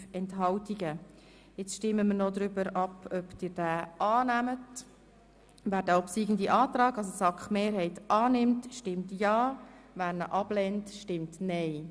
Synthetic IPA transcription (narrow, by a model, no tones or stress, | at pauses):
ɛntɦɑltiɡə | jɪt͡sʃtɪmːəməɾnod̪ɾʏbəɾɑpœpd̥ɪːɾd̥æːʔɑːnæmət | væːɾdɛːɔpsiːɡən̩diʔɑːtɾɑːɡɑs̬osɑkχmeːɾɦɛɪtʔɑːnɪmtʃtɪmtjɑːvæːɾnə̰ʔɑb̥lɛntʃtɪmtnɛɪ